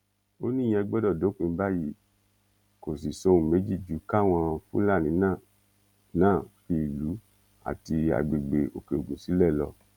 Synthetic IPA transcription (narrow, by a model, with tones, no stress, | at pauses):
o˦nĩ˦˨j̃ɛ̃˧ɡ͡bɔ˦dɔ˦˨do˨˦k͡pũ˧m̩˦ba˦ji˦ | ko˨si˨so˧˦ũ˧˨me˨˦d͡ʒi˦˨d͡ʒu˨˦ka˦˨w̃ɔ̃˧fṵ̃˦la˦˨nĩ˨˦nãː˦˨ | nãː˦˨fi˧˨lu˨˦ | a̰˨ti˧a̰˨ɡ͡be˨ɡ͡be˨o̰˨ke˨o˨ɡũ˨si˨˦lɛ˦˨lɔ˧